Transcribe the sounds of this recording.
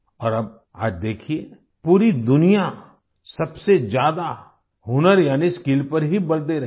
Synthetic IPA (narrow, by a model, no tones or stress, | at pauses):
ɔːɾɐb̚ | a̰ːd͡ʒd̪eːkʰie | puːɾid̪ʊnija | sɐbsed͡ʒjaːd̪a | ɦʊnəɾjaːniskɪlpɐɾɦibɐld̪eɾɐ